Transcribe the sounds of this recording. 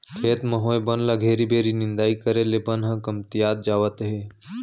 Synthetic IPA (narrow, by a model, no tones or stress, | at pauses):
kʰeːt̪məɦoːebənlaɡʱeːɾibʱeːɾinɪ̃nd̪aːikəɾelebənɦə̃kəmt̪ijaːd̪̚d͡ʒaːʋət̪ɦeː